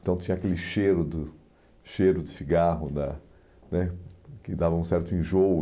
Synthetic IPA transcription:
t̪ɐ̃w̃t͡ʃ̪ĩɲɐakelɪʃeɾʊd̪ʊ | ʃeɾʊd͡ʒ̪ɪsiɡaɦʊnɐ | nɛkɪd̪avɐũsɛɾt̪ʊĩʒowʊ

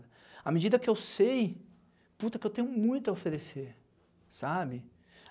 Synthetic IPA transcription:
ɐ | ɐmed͡ʒid̪ɐkɪewsej | put̪ɐkɪewt̪ẽɲʊmũj̃t̪ʊɐofeɾeseɾ | sabɪ

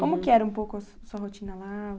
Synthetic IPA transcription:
kõmʊkɪɛɾɐũpowkʊɐsuɐɦot͡ʃĩnɐlaʊ

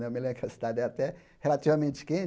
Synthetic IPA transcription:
ɛmilẽbɾʊkɐsid̪ad͡ʒɛat̪ɛ | helat͡ʃivamẽnt͡ʃɪ̥kẽ

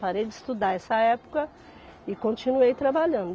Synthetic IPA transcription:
paɾejd͡ʒɪst̪ud̪aɛsɐɛpʊ̥kɐ | ɪkõnt͡ʃinuejt̪ɾabaʎɐ̃nd̪ʊ

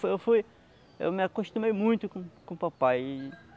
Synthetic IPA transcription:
ewfuj | ḛwmɪakoʃt̪ũmejmũj̃t̪ʊkõkõpapaji

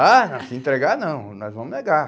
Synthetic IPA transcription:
anɐ̃siẽt̪ɾeɡanɐ̃w̃nɔjzvɐ̃mʊneɡa

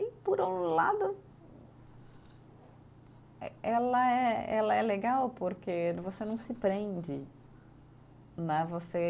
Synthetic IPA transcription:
ɪpoɾola̰d̪ʊ | ɛlɐɛɛ̰lɐɛleɡawpoɾkevosenɐ̃w̃sɪpɾẽnd͡ʒɪ | nɛvose

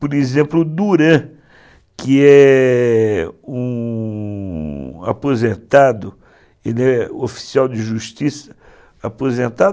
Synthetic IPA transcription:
poɾezẽmplʊd̪uɾɐ̃ | kɪɛ | ũ | a̰pozẽnt̪ad̪ʊ | elɪɛofi̥siawd͡ʒɪʒuʃt͡ʃisɐ̥ | apozẽnt̪a

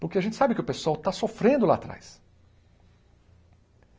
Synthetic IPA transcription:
pʊɾkeaʒẽnt͡ʃɪ̥sabɪkɪʊpesʊawt̪asofɾẽnd̪ʊla̰ːt̪ɾa̰js

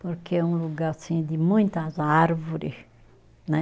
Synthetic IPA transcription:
poɾkeɛũluɡaɾsĩd̪ɪmũj̃t̪ɐzaɾvoɾɪs | nɛ

